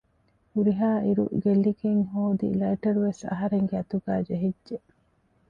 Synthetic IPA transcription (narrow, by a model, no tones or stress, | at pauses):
huɾiɦaːʔiɾṵɡelːikeŋɦoːd̪ḭlɐiʈɐɾuʋesɐ̰ɦɐɾeŋɡeɐt̪uɡæːd͡ʒeɦidʒe